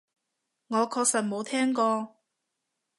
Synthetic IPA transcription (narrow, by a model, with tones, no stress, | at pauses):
ŋɔː˨˧kʰɔː˧k̚sɐ˨t̚mo˨˧wt̪ʰɛː˥ŋkɔː˧